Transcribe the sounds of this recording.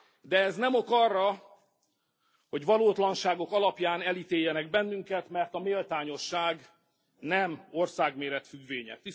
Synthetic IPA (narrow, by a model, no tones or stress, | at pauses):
d̪ɛɛznɛmokɒrːɒ | ho̞ɟʋɒloːt̪lɒnʃaːɡo̞kɒlɒpjaːnɛlit̪eːjːɛnɛɡbɛnːyŋkɛt̪mɛrt̪ɒmeːlt̪aːɲo̞ʃːaːɡ | nɛmo̞rsaːɡmeːɾɛt̪fyɡʋeːɲɛ̰t̪i